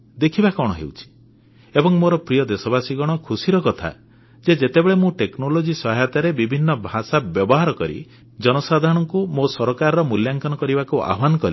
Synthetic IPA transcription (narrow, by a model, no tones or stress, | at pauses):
d̪ekʰibakɔɽ̃ɔ̰ɦḛwt͡ʃʰi̥ | ebɔŋmoɾɔpɾijɔd̪esɔbasiɡɔɽ̃ɔkʰusiɾɔkɔt̪ʰa̰ | d͡ʒed͡ʒet̪ebeɭemũʈeknolod͡ʒisɔɦajɔt̪aɾebibʱinːɔbʱasabjɔbɔɦaɾɔkɔɾḭ | d͡ʒɔnɔsad̪ʱaɾɔɽ̃ɔŋkumosɔɾɔkaɾɔɾɔmuljaŋkɔnɔkɔɾibakuʔa̰ɦɔbanɔkɔli